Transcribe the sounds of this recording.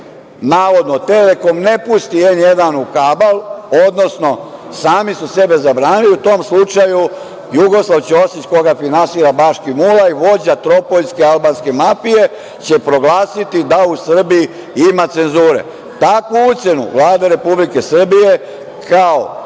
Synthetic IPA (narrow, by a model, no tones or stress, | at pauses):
naːʋo̞d̪not̪e̞le̞ko̞mnepust̪ie̞nje̞d̪anukabalod̪no̞sno̞saːmisuse̞be̞zabɾaːniliut̪o̞ːmslut͡ʃaju | juɡo̞slˠaʋt͡ɕosit͡ɕko̞ɡafinansiɾabaʃkimulaiʋo̞d͡ʑat̪ɾo̞po̞ʎskealbanske̞mafije̞ | t͡ɕe̞pɾo̞ɡlaːsit̪id̪ausr̩biji | imat̪se̞nzuːɾe̞̰ | t̪akʋuut̪se̞nṵʋlˠaːd̪aɾe̞publike̞sr̩bije | kʰao